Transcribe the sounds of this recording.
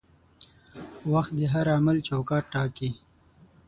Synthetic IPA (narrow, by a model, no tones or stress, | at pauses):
waxt̪̚d̪əɦaɾamalt͡ʃawkɑːʈːɑːki